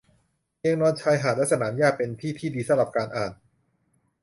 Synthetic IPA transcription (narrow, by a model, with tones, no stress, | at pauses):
i˧ŋnɔː˧nt͡ɕʰaː˧jɦaː˨˩t̪̚lɛ˦˥sa˧naː˩˦mjaː˥˩k̚pe˧nt̪ʰiː˥˩t̪ʰiː˥˩diː˧sa˧˦la˨˩p̚kaː˧nʔaː˨˩n